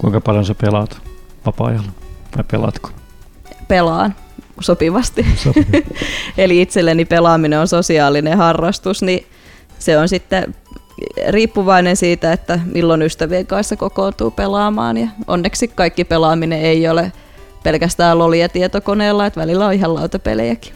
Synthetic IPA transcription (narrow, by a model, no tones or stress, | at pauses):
kuiŋkɑpɑljonsepelɑt̪ | ʋɑpɑ̰ːjɑlːt̪ɑipelɑ̰t̪ko̥ | pelɑːn | sopiʋɑst̪i | eliit̪selːenipelɑːmineonsosiɑːlinehɑrːɑst̪usni | seonsit̪ːe | riːpːuʋɑinensiːt̪æet̪ːæmʔilːonyst̪æʋieŋkɑnssekokoːnt̪ṵːpelɑːmɑ̰ːnjɑʔo̰nːeksikkɑikːipelɑːmineeiole | pelkæst̪æːlloliɑt̪iet̪okoneːlːɑet̪ʋælilːæoihɑlɑut̪ɑpḛlḛjæki̥